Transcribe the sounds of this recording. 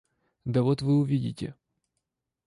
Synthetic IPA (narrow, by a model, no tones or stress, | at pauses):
d̪ɐvot̪vɨʊvʲidʲɪtʲɪ̰